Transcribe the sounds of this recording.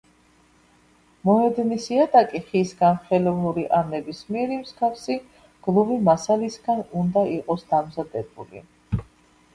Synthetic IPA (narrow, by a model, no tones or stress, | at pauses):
mɔɛd̪nisiat̪ʼakʼiχisɡanχɛlɔvlˠuɾiʔanɛbismiɛɾimskʰafsi | ɡ̥lˠuvimasalisɡanund̪aiqʼɔsd̪amzad̪ɛbṵlḭ